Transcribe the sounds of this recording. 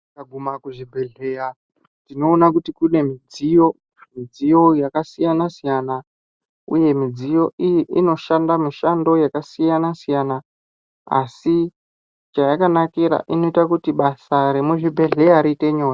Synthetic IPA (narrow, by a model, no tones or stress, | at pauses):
aɡʱumakuʐibʱe̞ɮe̞ja | tino̞ːnakutikune̞mid͡zijo̞ | mid͡zijo̞jakasijanasijana | uje̞mid͡zijo̞ʔijiʔino̞ʃandamiʃando̞jakasijanasijana | a̰si | t͡ʃajakanakiɾa̰ʔino̞itakutiɓasaɾe̞muʐibʱe̞ɮe̞aɾiite̞ɲo̞ːja